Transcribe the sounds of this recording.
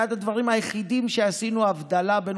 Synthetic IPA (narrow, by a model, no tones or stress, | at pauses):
ad̪had̪vaʁimhajeχid̪imʃe̞asinuavd̪alaben